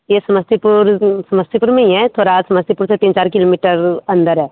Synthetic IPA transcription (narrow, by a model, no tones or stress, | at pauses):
jesɐməst̪ipʊɾsɐməst̪ipuɾmẽĩɦɛt̪ʰoːɾasɐməst̪ipʊɾset̪iːnt͡ʃaːɾkɪloːmiːʈəɾɐ̃nd̪əɾɦɛː